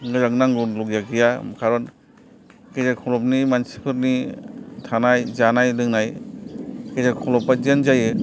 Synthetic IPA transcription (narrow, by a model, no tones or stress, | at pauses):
ɡɯzaknaŋɡɔlɔɡjakijamkʰaɾɔn | kezakʰɔlɔp̚nimansi̥pʰɯɾnitʰanajzanajlɯŋnaj | kezakʰɔlɔpːad͡ʒand͡ʒajɯ